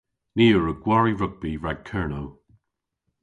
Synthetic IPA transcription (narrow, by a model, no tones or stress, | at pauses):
niːəɹəɡ̥wɔɹiɹʊɡ̚b̥iɹaɡ̥̚kʰɜɹnow